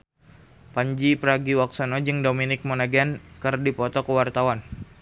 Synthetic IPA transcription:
paɲd͡ʒipəɾaɡiwak̚sanɔd͡ʒɨŋdominɪk̚monaɡankɨrdipɔt̪ɔkəwart̪awan

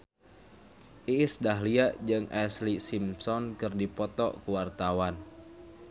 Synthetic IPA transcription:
ʔisdaɦliaʔd͡ʒɨŋɛslisimsɔnkɨrdipɔt̪ɔ̰ʔkuwart̪awan

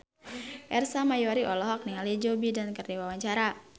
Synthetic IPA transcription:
ʔɛrsamajɔɾiʔɔlɔɦɔk̚niŋalid͡ʒobidankərdiwawaɲt͡ʃaɾa

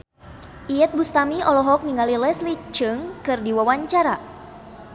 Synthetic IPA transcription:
ʔiɛt̪̚bust̪amiɔlɔɦɔk̚niŋalilɛslit͡ʃɨŋkɨrdiwawaɲt͡ʃaɾa

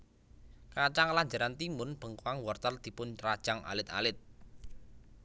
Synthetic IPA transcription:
kat͡ʃaŋlaɲd͡ʒa̤ɾant̪imʊnb̥ə̤ŋkwaŋwɔrt̪əld̪̥i̤pʊnrad̥ʒ̥a̤ŋʔa̰lɪt̪a̰lɪt̪̚

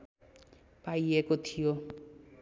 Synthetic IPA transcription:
pajekot̪ʰijo

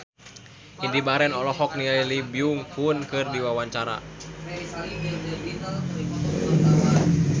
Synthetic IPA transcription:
ʔindibaɾɛnɔlɔɦɔk̚nilailibiuŋhunkɨrdiwawaɲt͡ʃaɾa̰

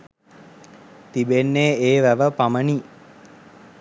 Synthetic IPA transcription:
t̪ibenːeːeːʋæʋəpaməni

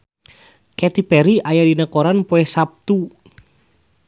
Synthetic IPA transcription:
kɛt̪ipɛɾiʔajadinəkoɾanpoɛsap̚t̪u

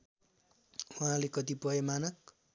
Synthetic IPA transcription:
waɦãlekʌt̪ipʌjemanʌk̚

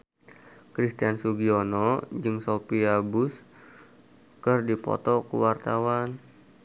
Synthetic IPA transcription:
kɾist̪iansuɡionɔd͡ʒɨŋsopiabus | kɨrdipɔ̰t̪ɔkṵwart̪awan

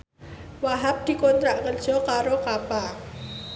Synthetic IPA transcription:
waɦap̚d̪̥i̤kont̪ɾaʔkərd̥ʒ̥ɔ̤kaɾokapa

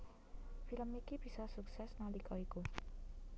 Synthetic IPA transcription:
pʰilʌmːikibʱisasuksasnalikʌeko

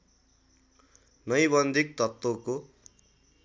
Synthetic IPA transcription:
nʌjbʌnd̪ʱik̚t̪ʌt̪ːoko

